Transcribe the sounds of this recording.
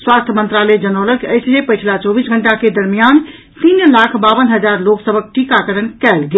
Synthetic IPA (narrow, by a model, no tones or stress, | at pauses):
swast̪ʰəmənt̪ɾalɛd͡ʒənəʊləkəjsd͡ʒepəjt͡ʃʰlat͡ʃɔbisɡʱəɳʈaked̪əɾmijan | t̪inlakʰbabənɦəd͡ʒaɾloksəbʱək̚ʈikakəɾənkɛlɡe